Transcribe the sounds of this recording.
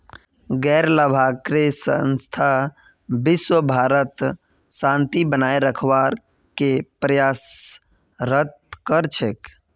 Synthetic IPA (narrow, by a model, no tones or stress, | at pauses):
ɡɛɾləbʱakɾesə̰nst̪ʰa | biswəbʱaɾət̪ | sãnt̪ibənaeɾəkʰʋaɾ | kepɾəjas | ɾət̪̚ | kəɾt͡ʃʰek